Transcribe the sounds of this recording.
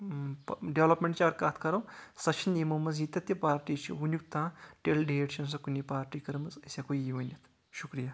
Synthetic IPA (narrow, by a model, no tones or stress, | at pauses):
pɖeʋlɐpmeɳʈt͡ʃaːɡɐɾkaːt̪ʰkɐɾɐwsɐt͡ʃʰinimɐmɐzit̪ʲɐt̪jɐpaːɾʈiːt͡ʃʰḭunjukt̪ãːʈelɖieʈʃɐns̬ɐkunipaːɾʈiːkɐɾmɐzɐsʲakojiʋɐnjɐt̪ʰ | ʃukɾija